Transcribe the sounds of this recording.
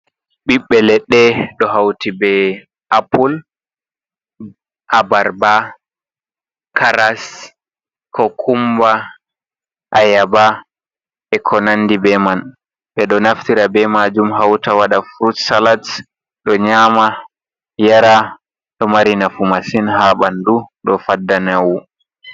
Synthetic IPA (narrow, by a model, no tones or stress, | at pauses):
ɓiɓːɛlɛɗɛɗɔɦawtibɛ | ʔapul | ʔabaɾba | kʰaɾas | kʰɔkʰumba | ʔajaba | ɛkʰɔnanːdibɛman | ɓɛɗɔnaftiɾabɛmaːd͡ʒumɦawtawaɗafɾutsalat | ɗɔɲama | jaɾa | ɗɔmaɾinafumasinhaɓanduɗɔfadːanawu